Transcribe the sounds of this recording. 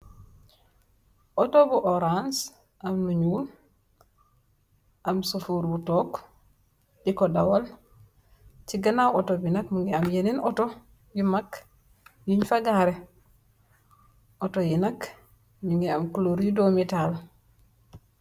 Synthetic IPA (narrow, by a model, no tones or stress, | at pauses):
ʔotobuʔoɾans | ʔamnuɲuːl | ʔamsufuɾbutok | dikodawol | ciɡanawotobinakmiŋɡeamjeninoto | jimak | jiɲfaɡaɾe | otojinak | miŋɡiamkuloɾjudomital